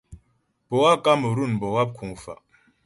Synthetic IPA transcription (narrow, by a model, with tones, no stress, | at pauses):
b̥o˨wa˦kʼa˦mu˨ɾu˦˨nbo˨wa˦p̚kʰũ˨fa̰˨